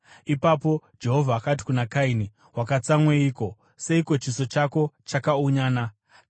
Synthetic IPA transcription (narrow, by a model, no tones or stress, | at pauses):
ipapo̞d͡ʒe̞ɦo̞vʱaːkat̬i̥kunakaini | wakat͡samweiːko̞ | se̞iko̞t͡ʃiso̞t͡ʃako̞t͡ʃakauɲaːna